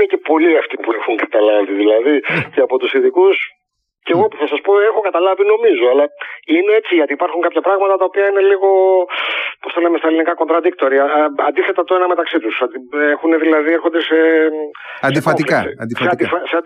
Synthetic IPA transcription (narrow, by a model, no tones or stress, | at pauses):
ecepo̞liɐft̪ipuexuŋkɐ̥t̪ɐlɐviðilɐðiceɐpo̞t̪usiðikus | ceɣo̞puθɐsɐspo̞e̞xokɐt̪ɐlɐvino̞mizoɐlɐineet͡siʝɐt̪iːpɐɾxuŋkɐpçɐpɾɐɣmɐt̪ɐt̪ɐopiɐine̞liɣo̞ | post̪elɐmest̪ɐelinikɐko̞nd̪ɾɐd̪ik̚t̪oɾiɐɐnd̪iθe̞t̪ɐt̪oenɐme̞t̪ɐksit̪usɐd̪iexuneðilɐðie̞ɾxond̪ese̞ | sed̪ifoflsd̪seɐd̪ifɐseɐnd̪